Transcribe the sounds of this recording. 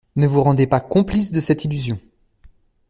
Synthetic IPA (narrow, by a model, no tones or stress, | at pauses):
nəvuʁɑ̃d̪epakɔ̃plisd̪əsɛt̪ilyzjɔ̃